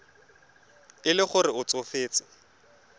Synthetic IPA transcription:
ɪlɪχʊrɪʊt͡sofeːt͡sɪ̥

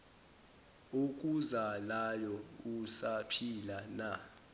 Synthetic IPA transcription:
uk̬ʼuzalajɔusapʰilana

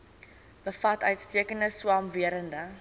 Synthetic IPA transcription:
bəfɐtœɥtstiəkəndəswɑːmviəɾəndə

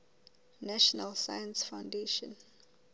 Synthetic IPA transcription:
nɛʃɔnalsa̰jãnsfawndeʃɔ̃n

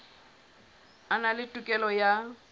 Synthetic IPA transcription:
analɪtʼukʼɛlɔja

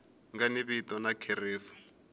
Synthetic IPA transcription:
ŋɡaniβitɔnakʰɛreːfu̥

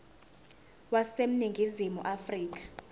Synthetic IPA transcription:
wasem̩niŋɡʱizimṵʔafriːk̬ʼḁ

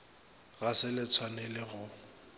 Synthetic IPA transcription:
ɣasɪlɪt͡sʰwanɛlɪɣʊ

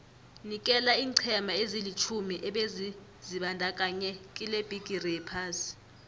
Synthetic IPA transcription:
nik̬ʼɛlaiːǀʰɛmʱaezilit͡ʃʰumiʔɛɓezi | ziɓandʱak̬ʼaɲɛkʼileb̥ʱiɡ̥ʱirɛpʰas

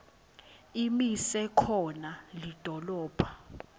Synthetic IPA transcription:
imisɛkʰɔnalid̥ʱɔlɔːpʰḁ

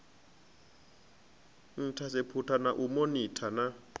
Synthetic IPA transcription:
n̩tʰasepʰutʰanaʔumonitʰana

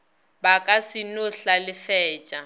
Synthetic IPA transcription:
bakʼasinʊɬalɪfɛːt͡ʃʼa

